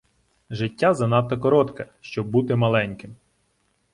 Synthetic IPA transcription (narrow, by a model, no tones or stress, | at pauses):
ʒɪtʲːazɐnɑt̪ːɔkɔɾɔt̪kɛʃt͡ʃɔbːut̪ɪmɐlˠɛnʲkɪm